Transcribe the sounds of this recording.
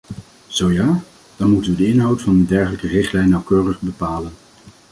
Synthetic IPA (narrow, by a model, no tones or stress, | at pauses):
z̥owjaː | d̥ɑnmutənʋədəɪnɦɑwtfɑndədɛɹχələkərɪχtlɛjnːɑwkøːrəχbəpaːlən